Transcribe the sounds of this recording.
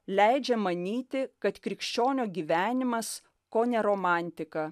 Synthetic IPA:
lʲæɪd͡ʒʲɛmɐnʲiːt̪ʲɪkɐt̪kɾʲɪkʃʲt͡ʃʲoːnʲoːɡʲiːʋʲæːnʲɪmɐs | koːnʲɛɾoːmɑˑnʲt̪ʲɪkɐ

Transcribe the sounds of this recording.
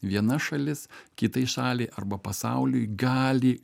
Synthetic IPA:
ʋʲiɛnɐʃɐlʲɪskʲɪt̪ɐɪʃɑːlʲɛɪʔɐrbɐpɐsɑʊlʲʊjɡɑːlʲi

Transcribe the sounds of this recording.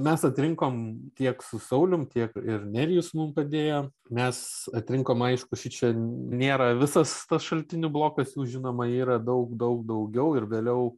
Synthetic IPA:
mʲɛsɐt̪ʲɾʲɪŋkoːmt̪ʲiɛksʊsɐʊlʲʊmt̪ʲiɛkɪrnʲɛɾʲjʊsmʊmpɐd̪ʲeːjoː | mʲɛsɐt̪ʲɾʲɪŋkoːmɐɪʃkʊʃʲɪt͡ʃʲɛnʲeːɾɐʋʲɪsɐst̪ɐsʃɐlʲt̪ʲɪnʲʊblˠoːkɐsjuːʒʲɪnoːmɐiːɾɐd̪ɐʊkd̪ɐʊk̚d̪ɐʊɡʲɛʊɪrʋʲeːlʲɛʊ

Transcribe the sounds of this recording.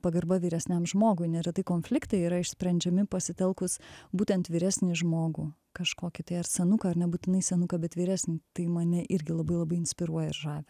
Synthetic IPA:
pɐɡɐɾbɐʋʲiːɾʲɛsʲnʲɛmʒmoːɡʊɪnʲɛɾʲɐt̪ɐɪkoːnʲfʲlʲɪkt̪ɐɪiːɾɐɪʃsʲpʲɾʲɛnʲd͡ʒʲɛmʲɪpɐsʲɪt̪ʲɛlˠkʊsbuːt̪ʲɛnt̪ʋʲiːɾʲæːsʲnʲiʒmoːɡuː | kɐʃkoːkʲɪt̪ɐɪɐrsʲɛnʊkɐɐɾnʲɛbuːt̪ʲɪnɐɪsʲɛnʊkɐbʲɛt̪ʋʲiːɾʲæːsʲnʲiːt̪ɐɪmɐnʲɛʔɪɾʲɡʲɪlˠɐbɐɪlˠɐbɐɪɪnʲsʲpʲɪɾuɔjɛɪrʒɑːʋʲɪ

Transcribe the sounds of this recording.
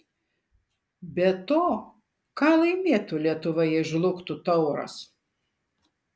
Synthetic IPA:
bʲɛt̪oː | kɑːlˠɐɪmʲeɛt̪ʊlʲiɛt̪ʊʋɐjɛʒlˠʊkt̪ʊt̪ɐʊɾɐ̰s

